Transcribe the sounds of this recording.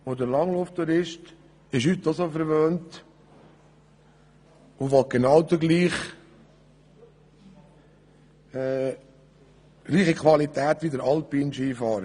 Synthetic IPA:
ʋod̪əɾlɑŋloft̪uɾɪʃt | ɪʃhyt̪ːɔsofəɾʋøːnt | ʊʋɔɡ̥enɑwd̪əɡliːχ | ɡliːχəkʰʋɑlit̪æːt̪ʋid̪əɾɑlpiːnʃiːfɑːɾə

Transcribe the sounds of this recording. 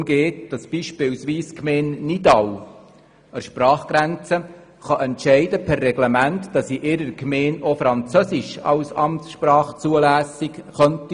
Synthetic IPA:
mɡeːtd̥ɑsb̥iːʃpɪwsʋiːskʰmeːnːidɑw | əɾʃprɑːχɡ̥ɾænt͡sə | χɑʔɛntʃɛɪdəpʰɛrːɛɡlɛmæntd̥ɑsiʔɪɾəɾkʰmeːnofɾɑnt͡søsɪʃɑ̰wsɑ̰mtsʃprɑːχt͡suəlæːsɪkχœnti

